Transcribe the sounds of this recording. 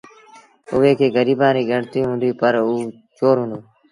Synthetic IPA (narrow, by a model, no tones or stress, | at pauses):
ʊʋeːkʰeːɡəɾiːbãːniːɡəɳt̪ĩɦũːnd̪iːpəɾuː | t͡ʃoːɾɦʊ̃ːnd̪oː